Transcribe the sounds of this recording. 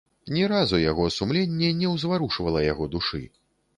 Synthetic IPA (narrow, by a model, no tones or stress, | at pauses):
nʲɛɾazujaɣɔsumlʲenʲːɛnʲɛwzvaɾuʂvɐlˠɐjaɣɔd̪uʂɨ̰